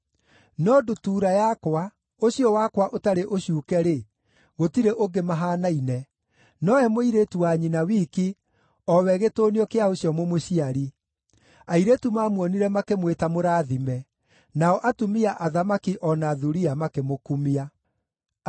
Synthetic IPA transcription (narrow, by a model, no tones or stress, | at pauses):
nɔdotuːɾajakwa | oɕjɔwakwaʔotaɾeʔoɕjuːkɛɾe | ɣotiɾeʔoŋɡemaɦaːnainɛ | nɔɛmoiɾetuwaɲinawiːki | ɔwɛɣetoːniɔkeaoɕjɔmomoɕiaɾi | aiɾetumaːmwɔniɾɛmakemwetamoɾaːðimɛ | naɔʔatumiaʔaðamakiʔɔnaːðuɾiamakemokumia